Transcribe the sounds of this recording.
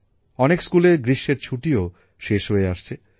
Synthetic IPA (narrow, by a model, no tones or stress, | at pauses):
ɔnekskuleɡɾiʃːeɾt͡ɕʰuʈio | ʃeʃɦoeaʃt͡ɕʰe